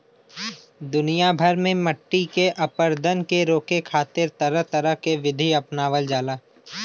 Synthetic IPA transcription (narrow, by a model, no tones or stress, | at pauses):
d̪ʊnijabʱəɾmẽmɐʈːikeʔɐpəɾd̪ʱənkeɾoːkekʰaːt̪ɪɾt̪ɐɾəɦt̪ɐɾəɦkeʋɪd̪ʱiɐpnaːʋəld͡ʒaːlaː